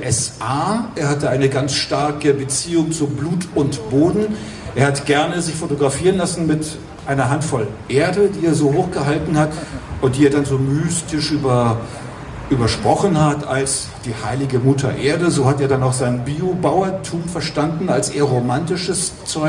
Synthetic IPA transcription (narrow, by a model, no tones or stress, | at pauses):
ʔɛsʔaːʔeːɐhatəʔaɪnəɡant͡sʃtaɐkəbət͡siːʊŋt͡subluːtʊntb̥oːdn̩ | ʔeːɐhatɡ̥ɛɐnəzɪçfotoɡʁafiːʁənlasn̩mɪt | ʔaɪnɐɦantfɔlʔeːɐdədiːeːɐzoːhoːxɡ̥əɦaltn̩hatʔʊnt̚d̥iːeɐdanzoːmyːstɪʃʔyːbɐ | ʔyːbɐʃpʁ̥ɔχən̩hatʰa̰ls | d̥iːhaɪlɪɡəmʊtʰɐ̰ʔeːɐdəzoːhateːɐdanaʊxz̥aɪnbiːobaʊɐtʰuːmfɛɐʃtandn̩alsʔeːɐʁomantɪʃəs | t͡sɔʏ